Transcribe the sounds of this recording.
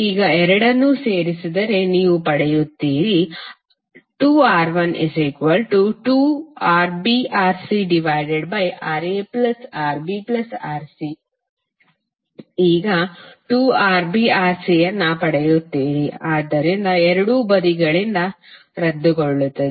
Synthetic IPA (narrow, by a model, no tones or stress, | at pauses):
iːɡɐɛɾɐɽɐnːuse̞ːɾisid̪ɐɾe̞niːʋupɐɽɛjut̪ːiːɾi | ʈuːaːɾʋɐnizikʋɐlʈuʈuːaːɾbiːʔaːɾsiɖiʋɐjɖeɖbɐjʔaːɾeːplɐsaːɾbiːplɐsaːɾsi | iːɡɐʈuːaːɾbiːaːɾsiːjɐnːɐpɐɽɛjut̪ːiːɾiaːd̪ːɐɾind̪ɐɛɾɐɽubɐd̪iɡɐɭind̪ɐ | ɾɐd̪ːuɡoɭːut̪ːɐd̪i